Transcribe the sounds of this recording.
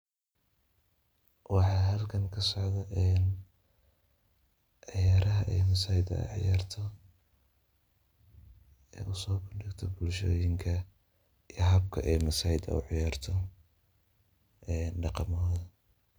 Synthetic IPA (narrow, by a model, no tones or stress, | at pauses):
wɑħɑːɦɐlkʰɐŋkʰɐsɔʕðɐʔɛːn | ʕɑjaːɾɐɦɐʔɛjmɐsaːhɪd̪ɐ̰ʕjaːrt̪ʰɔ | ɛːʊsɔːbʊɖɪɡt̪ʰɔbʊlʃɔːjɪŋkʰɐ | ijɦɐb̚kʰɐ̰ʔɛjmɐsaːhɪd̪ɐ̰ʊ̰ʕɪjaːrt̪ʰɔ | ʔɛːnɖɑqɑmːðɐ